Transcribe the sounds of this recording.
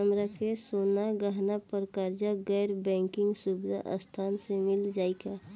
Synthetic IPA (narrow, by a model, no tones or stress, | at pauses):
əmɾakesoːnaɡəɦnapəɾkəɾd͡ʒaɡɛːɾbɛ̃ːŋkɪ̃ŋɡsubd̪ʱa̰ʔə̰st̪ʰaːnsemɪld͡ʒaːika